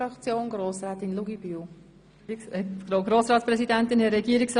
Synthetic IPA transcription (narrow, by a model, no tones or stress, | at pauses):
ɾɑkt͡sjoːnɡɾoːsɾɛːt̪ɪnluɡibyw | ɛɡ̥ɾoːɡɾoːsɾɑːtt͡spɾɛsidɛnt̪ɪnhɛɾɛɡiəɾiks